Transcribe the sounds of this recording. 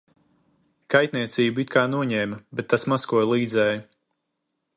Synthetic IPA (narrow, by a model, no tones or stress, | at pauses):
kajt̪ʲniɛt̪siːbuit̪̚kaːnuɔɲɛːmɐbɛt̪ːasmaskuɔjlˠiːd̪zɛːju